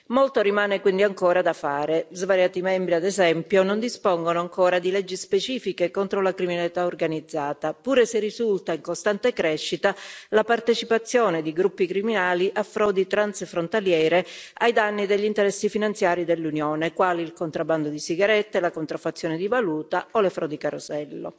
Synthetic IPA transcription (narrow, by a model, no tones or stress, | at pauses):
molt̪oɾimaːnekwind̪iaŋkoːɾad̪afaːɾezvaɾjaːt̪imɛmbɾiad̪ezɛmpjonond̪ispoŋɡonoaŋkoːɾad̪ilɛd͡ʒːispet͡ʃiːfikekont̪ɾolakɾiminalit̪aorɡanid̪zːaːt̪apuːɾeserːizult̪aiŋkost̪ant̪ekɾɛʃːit̪alapart̪et͡ʃipat̪sːjoːned̪iɡɾupːikɾiminaːliʔafɾɔːd̪it̪ɾansfɾont̪aljɛːɾeajd̪anːid̪eʎːint̪eɾɛsːifinant̪sjaːɾid̪elːunjoːnekwaːliːlkont̪ɾabːand̪od̪isiɡaɾɛt̪ːelakont̪ɾafːat̪sːjoːned̪ivaluːt̪aolefɾɔːd̪ikaɾosɛlːo̰